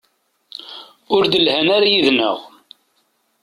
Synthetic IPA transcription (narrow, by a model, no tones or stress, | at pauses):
ʊɾd̪əlhænaɾajiðnə̰ʁ